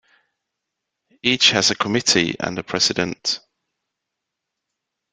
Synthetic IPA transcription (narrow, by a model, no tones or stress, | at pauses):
iˑt͡ʃhəzəkʰəmɪtʰḭə̰̃nəpʰɹ̥ɛz̥ɪdə̃nʔ